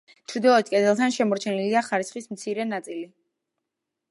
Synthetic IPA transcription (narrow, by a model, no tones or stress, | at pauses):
t͡ʃʰɾd̪ɔlˠɔt̪̚ʰkʼɛd̪ɛlˠt̪ʰanʃɛmɔɾt͡ʃʰɛniliaχaɾisχismt̪sʰiɾɛnat̪sʼili